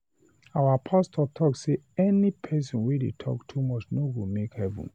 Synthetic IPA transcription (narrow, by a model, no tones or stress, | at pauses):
awapʰastʰɔtʰɔkseɛnipʰɛs̬ɔ̃nwedḛtʰɔ̰ktʰumɔt͡ʃnoɡomekhɛvṵ̃n